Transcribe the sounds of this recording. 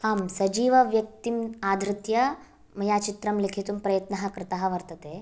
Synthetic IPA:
haːmsɐd͡ʒiːʋɐʋjɐk̚t̪imaːd̪ʱɾɪt̪jɐ | mɐjaːt͡ʃit̪ɾɐmlikʰit̪umpɾɐjɐt̪nɐɦɐ̆kɾɪt̪aɦɐ̆ʋɐɾt̪ɐt̪eː

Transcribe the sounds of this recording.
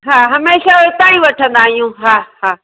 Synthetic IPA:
ɦaːɦɐmeːʃat̪aːĩʋɐʈʰə̃nd̪aːɦijũːɦaːɦaː

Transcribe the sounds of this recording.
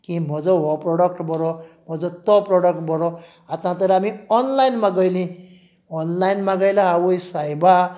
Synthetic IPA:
kĩmɔd͡zɔwɔpɾɔɽək̚ʈbʱɔɾɔm̤ɔd͡zɔt̪ɔpɾɔɽək̚ʈ̚bʱɔɾɔ | at̪ãt̪əɾamiɔnlajnmãɡəjlĩ | ɔnlainmãɡajlaːwujsajba

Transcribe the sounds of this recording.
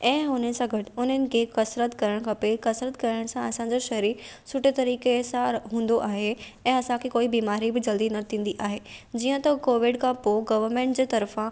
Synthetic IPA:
ɛ̃ːʊn̤ənɪ̆sãɡʱɐʈɪ̆ʊn̤ənɪ̆kʰekɐsɾət̪kɐɾəɽ̃kʰɐpekɐsɾət̪̚kɐɾəɽ̃sãɐsãɲd͡ʑoʃɐɦɾiːsʊʈet̪ɐɾiːkesãɦũːn̆d̪oʔaːɦeɛ̃ːɐsãkʰekoːibiːmaːɾibɪd͡ʑɐld̪inɐt̪ʰĩːn̆d̪iʔaːɦeːd͡ʑiːə̃t̪ɐkoːʋɪɖkʰãpoɡɐʋəɾmẽːɳʈ̚d͡ʑeːt̪ɐɾfã

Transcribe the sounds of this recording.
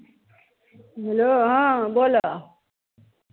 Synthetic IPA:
ɦeloɦãbola

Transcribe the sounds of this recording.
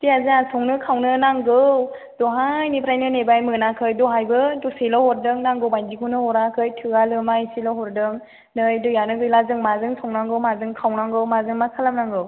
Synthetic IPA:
tiazɯasʰɔŋnɯkʰawnɯnaŋɡɯw | d̥ɔɦajnipʰɾajnɯnebajmɯnakʰɯjdɔɦajbɯdɔselɔwhɔɾdɯŋnaŋɡɯwbajndikʰunɯhɔɾakʰɯjtʰɯalɯmaiselɔɦɔɾdɯŋ | nɯjdɔjanɯɡɯjlazɯŋmazɯŋsʰɔŋnaŋɡɯwmazɯŋkʰawnaŋɡɯwmazɯŋmakʰalamnaŋɡɯw

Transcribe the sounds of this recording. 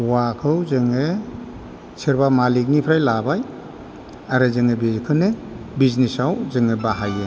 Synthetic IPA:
wakʰɯwzɯŋe | sʰɯɾbamalik̬̚nipʰɾajlabaj | aɾɯzɯŋebikʰɯnɯ | biznisawzɯŋɯbaɦajɯ

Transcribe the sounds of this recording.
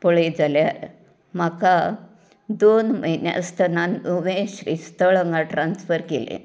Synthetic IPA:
pɔɭed͡zaljaɾ | m̤aka | d̪onməɦinja̰st̪ʰənanuʋẽɕɾist̪əɭəŋɡaʈɾansfəɾkelḛ

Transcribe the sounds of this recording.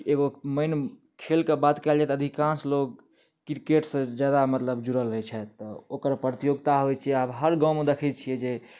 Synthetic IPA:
eɡoməɪn | kʰelkebat̪kɛld͡ʒaɛt̪əd̪ʱikãnsloɡ | kiɾkeʈsə̃d͡ʒjad̪amət̪ləbd͡ʒuɾəlɾɦɛt͡ʃʰɛt̪əokəɾpɾət̪ijoɡt̪aɦojt͡ʃʰiɛabɦəɾɡãʊ̃med̪ekʰɛt͡ʃʰijɛd͡ʒe

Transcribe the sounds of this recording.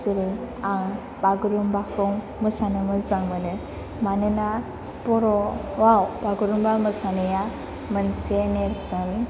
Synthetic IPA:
siɾiaŋ | baɡɯɾumbakʰɯŋ | mɯsanɯmɯzaŋmɯnɯ | manɯna | pɔɾɔwawbaɡuɾumbamɯsanɯja | mɯnseneɾsɯn

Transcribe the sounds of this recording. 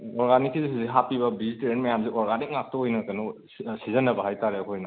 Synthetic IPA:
ɔɾɡanikːizisziɦapibɐbiziteɾenmɐjamziʔɔɾɡanik̚ŋak̚tɐojnɐkɐnu | sizɐnːɐbɐɦajtaɾeɐkʰojnɐ

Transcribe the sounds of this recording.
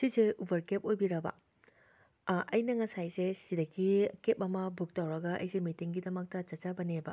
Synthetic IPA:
siseʔubɐɾkep̚ojbiɾɐbɐ̰ | ʔɐjnɐŋɐsajsesidɐkːikep̚ɐmɐbuk̚tɐwɾɐɡɐʔɐ̰jsemitiŋɡidɐmɐk̚tɐt͡ʃɐt͡ʃɐbɐnebɐ̰

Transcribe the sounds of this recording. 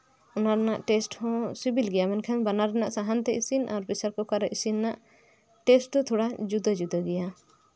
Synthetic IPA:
ɔnaɾɛnaʔʈɛsʈhɔ̃sibilɡɛjamɛnkʰɛnbanaɾɛnaʔsaɦant̪ɛʔisinʔaɾbisaɾkɔkaɾɛʔisinːaʔ | ʈɛsʈ̪ɔt̪ʰɔɽad͡ʒud̪ad͡ʒud̪aɡɛja

